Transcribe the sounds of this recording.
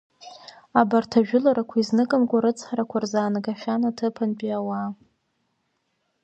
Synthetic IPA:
abartʰaʒᶣʊlaɾakʷʰaiznɨkʼamkʷʼaɾɨt͡sʰʼχaɾakʷʰarzaːnɡaʃʲᶣanatʰɨpʰanpʼiawa

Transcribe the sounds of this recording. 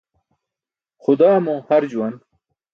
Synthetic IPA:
xʊd̪ɑːmõːhɐɾd͡ʑuwɐn

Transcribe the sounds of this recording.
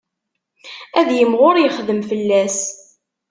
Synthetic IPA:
æðjəmʁʊɾjəχðəmfəlːæs

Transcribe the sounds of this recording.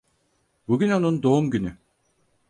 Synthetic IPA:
buɡyno̞nund̪o̞umɟyny

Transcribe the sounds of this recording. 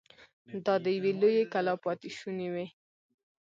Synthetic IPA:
d̪ɑd̪əjawelojekalɑpɑt̪ɪʃunewe

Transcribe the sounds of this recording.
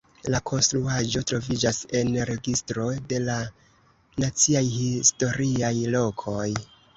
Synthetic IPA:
lakʰo̞nstɾuaʒo̞tɾo̞vid͡ʒase̞nɾe̞ɡistɾo̞de̞la | nat͡siajhisto̞ɾiajlo̞kʰo̞j

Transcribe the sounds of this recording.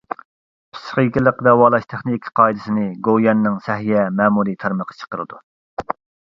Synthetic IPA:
pʰi̥sχikʲilˠəqd̪ɛwɑːlˠɑʃt̪ʰæχnikʲʰqʰɑːid̪ɪsɪnɪɡojɑnːɨŋsɛɦijɛmɛːmuɾit̪ʰæɾməqʰːɑ̥t͡ʃʰə̥qəɾɨd̪u

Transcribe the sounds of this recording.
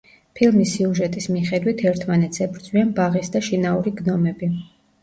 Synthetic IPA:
pʰilˠmisiuʒɛt̪ʼismiχɛd̪wit̪ʰɛɾt̪ʰmanɛt̪sʰɛbɾd̪zʼwianbaʁisd̪aʃinauɾiɡnɔmɛbi

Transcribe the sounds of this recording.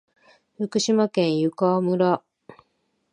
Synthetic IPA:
ɸɯ̟kɯ̟ɕimakẽ̞ɰ̃jɯkamɯ̟ɾa

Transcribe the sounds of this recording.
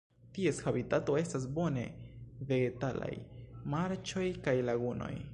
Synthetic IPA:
tie̞shabitato̞e̞stas̬bo̞ne̞̰ve̞ɡe̞tala̰jmaɾt͡ʃo̞jkajlaɡuno̞̰j

